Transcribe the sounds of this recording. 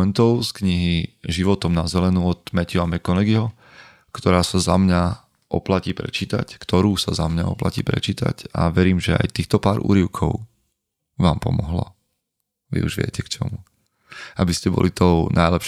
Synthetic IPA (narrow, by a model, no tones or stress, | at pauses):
ɛnt̪ɔʊskɲiɦiʒiʋɔt̪ɔmnazɛlɛnuɔt̪mɛcuamɛkɔnɛɡiɦɔ | kt̪ɔɾaːsazamɲa | ʔɔplaciːpɾɛ̰t͡ʃiːt̪a̰ckt̪ɔɾuːsazamɲaɔ̰pla̰cḭːpɾɛ̰t͡ʃiːt̪a̰ca̰ʋɛɾiːmʒɛa̰jt̪iːxt̪ɔpaːɾʔṵːɾiʊkʰɔʊ | ʋaːmpɔmɔɦla̰ | ʋḭṵʒʋɪɛ̰cɛkt͡ʃɔ̰mu | abiscɛbɔ̰lit̪ɔʊnajlɛpʃ